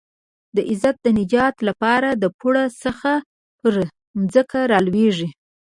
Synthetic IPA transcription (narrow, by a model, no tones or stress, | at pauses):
d̪əʔɪzat̪̚d̪ənɪd͡ʒɑt̪lapɑɾad̪əpuɽasəxa | pəɾ | mzəkaɾɑlweʐi